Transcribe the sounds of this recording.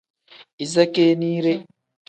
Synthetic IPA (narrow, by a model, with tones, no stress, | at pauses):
i˨za˦keː˦niː˦ɾe˦